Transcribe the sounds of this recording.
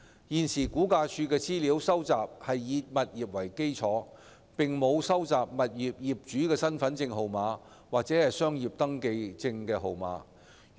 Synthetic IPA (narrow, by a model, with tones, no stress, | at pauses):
jiː˨nsiː˨˩kuː˨˥kaː˧t͡ʃʰyː˧kɛː˧t͡siː˥liː˨˥wsɐ˥wt͡saː˨p̚hɐ˨jːiː˧t̚mɐ˨t̚jiː˨p̚wɐ˨˩jke˥jt͡sʰɔː˨˥ | pɪ˨ŋmo˨˧wsɐ˥wt͡saː˨p̚mɐ˨t̚jiː˨p̚jiː˨p̚t͡ʃyː˨˥kɛː˧sɐ˥nfɐ˨˥nt͡sɪ˧ŋɦo˨wmaː˨˥ | waː˨k̚t͡sɛ˨˥hɐ˨jsœː˥ŋjiː˨p̚t̪ɐ˥ŋke˧jt͡sɪ˧ŋkɛː˧ɦo˨wma̰ː˨˥